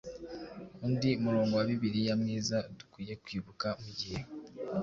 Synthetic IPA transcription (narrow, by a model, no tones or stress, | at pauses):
undiumuɾo̞ːŋɡo̞waβiβiɾijamŋiːzadu̥kwiːje̞kwiːβukamuɟihe